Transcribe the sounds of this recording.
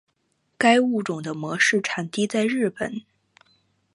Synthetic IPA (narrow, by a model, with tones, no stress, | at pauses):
ka˥ɪu˥˩ʈ͡ʂʊ˨˩ŋd̪ə˦mwɔ˧˥ʂɻ̩˥˩ʈ͡ʂʰa˨˩nt̪i˥t͡sa˥˧ɪɻɻ̩˥˩pə˨˩˦n